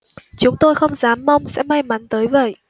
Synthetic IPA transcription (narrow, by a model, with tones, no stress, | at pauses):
t͡ɕʊ˨˦ŋ͡mt̪o˧jxə˧wŋ͡mzaː˨˦mːa˧wŋ͡msɛ̰˧˥ma˧jma˨˦nt̪əː˨˦jvə̰˧˨j